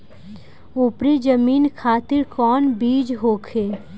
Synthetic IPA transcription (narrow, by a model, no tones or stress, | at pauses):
ʊpɾid͡ʒəmiːnkʰaːt̪ɪɾkɔːnbiːd͡ʒɦoːkʰeː